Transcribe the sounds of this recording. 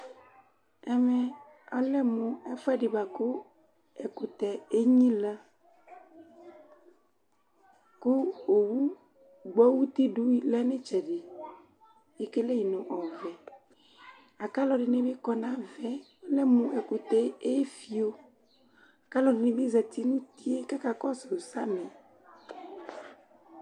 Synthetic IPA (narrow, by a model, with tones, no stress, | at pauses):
ɛ˦mɛ̃˦ | ɔ˦lɛ˦mũ˨ɛ˦fa˦ɖe˨ba˨ko˦ | ɛ˨ko˨t̪ɛ˨e˦ɲĩ˦la˦ | ko˦o˨wu˦ | ɡ͡bɔ˦wu˦t̪i˦ɖu˦i˦lɛ˦nẽ˦t͡ʃɛ˨ɖe˨ | e˦ke˦le˦ji˨nõ˨ʔɔ˨vɛ˨ | a˨ka˦lɔ˨ɖe˨nẽ˦be˦kɔ˦nã˦vɛ˨˦ | lɛ˦mũ˦ɛ˨ko˨t̪ɛ˨˦e˦fi˨o˦ | a˨ka˦lɔ˨ɖe˨nẽ˨be˦zɛ˨t̪i˦nũ˦t̪i˦e˦ka˦ka˦kɔ˦so˨sa˦mɛ̃˨